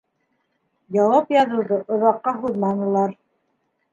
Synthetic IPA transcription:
jɑwɑpjɑðuwðɤʔŏðɑqːɑɦuðmɑnɤ̆lˠɑɾ

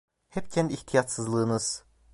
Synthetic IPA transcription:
hɛpcʰɛnd̪iiht̪ʰijat̪sɯzlˠɯːnɯz̥

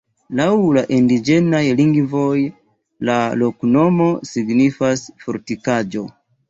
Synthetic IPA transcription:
lawlaʔindid͡ʒe̞najliŋɡvo̞j | lalo̞kno̞mo̞siɡnifasfoɾtikad͡ʒo̞

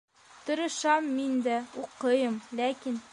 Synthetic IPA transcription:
t̪ŏɾɤ̆ʃɑmːind̪æuqɤjɤmlækin

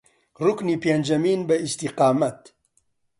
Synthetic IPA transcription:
rukniːpend͡ʒɐmiːnbɐist̪iqaːmɐt̪

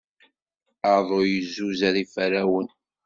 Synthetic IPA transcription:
əɾðˤojəzːuzæɾifəɾæwən

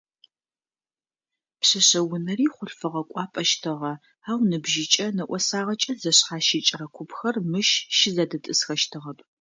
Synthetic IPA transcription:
pɕɐɕɐwʊnɐriːχʷʊɬfɨʁɐkʷʼɑːpʼɐʃtʰɨʁɐ | aːwnɨbʒɪt͡ʃʼɐnɐʔʷɔsaːʁɐt͡ʃʼɐzɐɕχaːʃɪt͡ʃʼɪrɐkʷʰʊpxɐrmɨʃʃɪzɐdɐtʼɨsxɐʃtʰɨʁɐpʼ

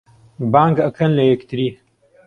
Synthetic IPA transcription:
baːŋɡɐkʰɐnlɐjekt̪ɨɾiː

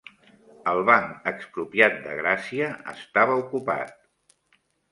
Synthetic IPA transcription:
əlˠβaŋəkspɾupiat̪̚d̪ə̰ɣɾasiəə̰st̪aβəukupa̰t̪̚

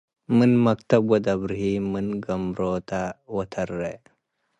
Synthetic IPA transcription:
mɨnmɐk̚t̪ɐbwɐd̪ɐbɾhimɨnɡɐmɾot̪awɐt̪ʰɐɾːe

